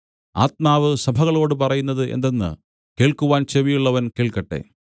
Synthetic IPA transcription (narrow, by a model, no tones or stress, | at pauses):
a̰ːt̪̚maːʋɨsɐbʱɐɣɐɭo̞ːɽɨpɐrɐjunːɐðɨʔe̞̰nd̪enːɨ̰ | ke̞ːɭkuʋaːnt͡ɕeʋijuɭːɐʋɐnkeːɭkɐʈːe̞̰ː